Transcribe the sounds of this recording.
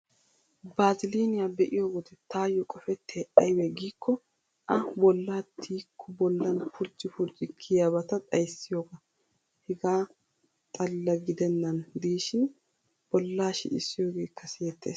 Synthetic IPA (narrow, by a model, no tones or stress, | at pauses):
baːzɪleːnɪjabɛʔɪjoːɡɔd̪ɛt̪aːjːɔkʼɔfɛt̪ʰːeːʔɐjwɛɡiːkʰːɔ | ʔɐbɔlːaːt̪ʰːiːkʰːɔbɔlːɐnfʊɾt͡ʃʼːɪfʊɾt͡ʃʼɪkʰːɪjɐbɐt̪ɐt̪ʼɐjsːɪjoːɡɐ | hɛɡaː | t̪ʼɐlːɐɡɪd̪ɛnːɐnd̪iːʃɪn | b̥ɔlːaːʃɪ̰ɪsːɪjoːɡe̞ːkːɐsɪjɛt̪ːḛːs